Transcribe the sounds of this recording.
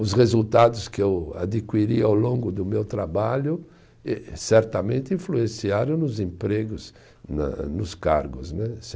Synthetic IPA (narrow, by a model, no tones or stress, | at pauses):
ʊzʁezult̪ad̪ʊskɪewa̰d̪ikwiɾiawlõŋɡʊd̪ʊmewt̪ɾabaʎʊ | ɛsɛɾt̪amẽnt̪ɪĩfluẽsiaɾʊ̃nʊzẽmpɾeɡʊz | na̰nʊskaɾɡʊznɛs